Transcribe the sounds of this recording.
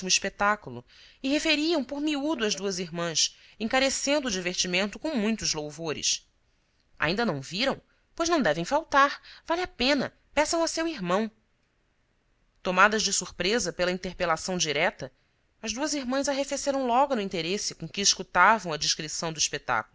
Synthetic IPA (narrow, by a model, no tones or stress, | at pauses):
imʊiʃpet̪akulʊ̰ | ɪɦefeɾiɐ̃w̃poɾmiud̪ʊɐzd̪uɐziɦmɐ̃sẽŋkaɾesẽnd̪ʊːd͡ʒiveɾt͡ʃimẽnt̪ʊkõw̃mũj̃t̪ʊzlowvoɾɪ̰s | a̰ĩnd̪ɐnɐ̃w̃viɾɐ̃w̃ | pojznɐ̃w̃d̪ɛvẽj̃fawt̪aɾvalʲɪapẽnɐ̰ | pɛsɐ̃w̃ɐsewiɾmɐ̃w̃ | t̪omad̪ɐzd͡ʒɪsuɾpɾezɐpelɐĩt̪eɾpelasɐ̃w̃d͡ʒiɾɛt̪ɐ | ɐzd̪uɐziɾmɐ̃zaɦefeseɾɐ̃w̃lɔɡʊnʊĩt̪eɾesɪkõkɪːʃkut̪avɐ̃w̃ɐd͡ʒiʃkɾisɐ̃w̃d̪ʊiʃpet̪a̰kulʊ